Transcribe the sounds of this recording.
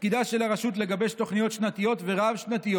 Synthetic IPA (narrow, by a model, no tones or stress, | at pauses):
kid̪aʃe̞laʁaʃut̪̬le̞ɡabe̞ʃt̪o̞χnijo̞t̪ʃnat̪ijo̞t̪ve̞ʁavʃnat̪ijo